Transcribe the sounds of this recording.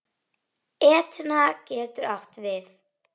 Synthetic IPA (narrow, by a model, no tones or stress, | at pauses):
ɛːt̪nacɛːt̪ʏɾawht̪vɪθ